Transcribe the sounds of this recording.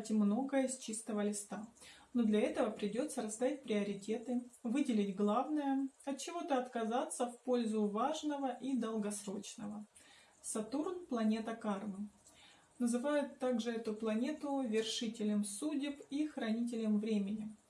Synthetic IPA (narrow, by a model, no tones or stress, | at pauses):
tʲɪmno̞ɡəjəst͡ɕist̪əvəlʲɪst̪anod̪lʲɐɛt̪əvəpɾʲɪdʲo̞t̪səɾɐst̪aɪt̚ʲpɾʲɪɐɾʲɪtʲe̞t̪ɨvɨdʲɪlʲɪdʲɡlˠavnəjəɐt̪̚t͡ɕɪvo̞t̪əɐt̪kɐzat̪sːəfpo̞lʲzʊvaʐnəvəʔid̪əlˠɡɐsɾo̞t͡ɕnəvə | sɐt̪urnplˠɐnʲe̞t̪əkarmɨ | nəzɨvajʊt̪ːaɡʐɨɛt̪ʊplˠɐnʲe̞t̪ʊvʲɪrʂɨtʲɪlʲɪmsudʲɪpixɾɐnʲit̬ʲɪlʲɪmvɾʲemʲɪnʲɪ